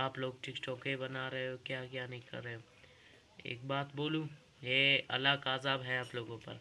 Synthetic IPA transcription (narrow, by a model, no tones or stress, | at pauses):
aːploːɡ̚ʈɪkʈɔːkebɐnaɾɐɦeokjaːkjaːnɐɦĩkɐ̰ɾːɐɦeo | ḛːk̚baːt̪boːlũ | jeɐ̰lakaːzaːbɦɛaːploːɡõpɐ̰ɾ